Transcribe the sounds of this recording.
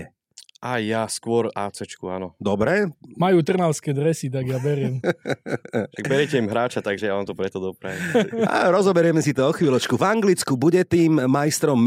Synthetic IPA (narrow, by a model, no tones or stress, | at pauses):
ɛ | ajjaskʊɔɾaːt͡sɛt͡ʃkuanɔd̪ɔbɾɛmajuːt̪r̩nalskɛːd̪ɾɛsit̪̬aɡjabɛɾɪɛm | t̪aɡbɛɾɪɛcɛimɦɾaːt͡ʃat̪aɡʒɛjaʋamt̪ɔpɾɛt̪ɔd̪ɔpɾa̰ʋia̰ɾɔzɔbɛɾɪɛmɛsit̪ɔɔxʋiːlɔt͡ʃkuvaŋɡlit͡skubuɟɛt̪iːmːajst̪ɾɔmː